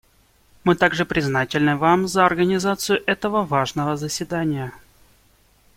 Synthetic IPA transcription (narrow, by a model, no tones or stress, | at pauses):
mɨt̪aɡʐɨpɾʲɪznatʲɪlʲnɨvamzəɐrɡənʲɪzat̪sɨjʊʔɛt̪əvəvaʐnəvəzəsʲvʲɪd̪anʲɪjə